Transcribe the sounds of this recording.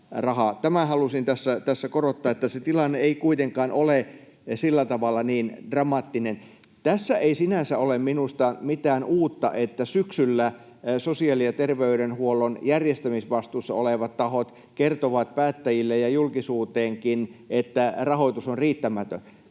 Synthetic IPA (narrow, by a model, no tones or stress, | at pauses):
rɑhɑt̪æmæhɑlusint̪æsːæt̪æsːækorot̪ːɑːet̪ːæset̪ilɑnːeeikuit̪eŋkɑːnolesilːæt̪ɑʋɑlːɑniːndrɑmɑt̪ːinen | t̪æsːæʔeisinænsæolemminust̪ɑmit̪æːnuːt̪ːɑ̰ʔet̪ːæsyksylːæ | sosiɑlijjɑt̪erʋeyɾenhuolːonjærjest̪æmisʋɑst̪uːsːɑ̰oleʋɑt̪t̪ɑhot̪ | kert̪oʋɑt̪̚pæːt̪ːæjilːejɑjulkisuːt̪eːŋkinet̪ːærɑhoit̪usonriːt̪ːæmæt̪ø̰n